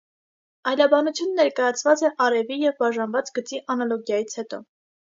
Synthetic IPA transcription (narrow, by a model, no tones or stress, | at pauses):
ɑjlɑbɑnut͡sʰjunəːɛɾkɑjɑt͡sʰvɑt͡sɛʔɑɾɛvijɛvbɑʒɑnvɑt͡sɡət͡siʔɑnɑlɔɡjɑjit͡sʰhɛt̪ɔ̰